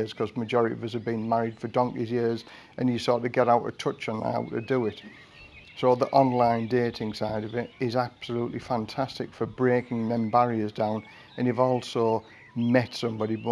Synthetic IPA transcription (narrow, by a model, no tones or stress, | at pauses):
z̥kʰʌzməd͡ʒɔɹɪɾiʌvʌsəvbĩnmaɹɪd̥fədɒ̃ŋkizjɪəz | ʔɨ̃njɨsɔˑtɨɡɛɾaʊtə̰tʰʊt͡ʃə̃n̰a̰ʊtə̰dəɪt | soʊðiʔɑ̃nlãɪ̃ndeːɾɪ̃ŋsaɪɾʌvɪtɪzab̥səluˑʔlifãntʰastɪkfəbɹeːkɪ̃ŋnə̃mbaɹiəzdãʊ̃n | ə̃njɨvɔːlˠsoʊ | mɛtsʊ̃mbɑɾib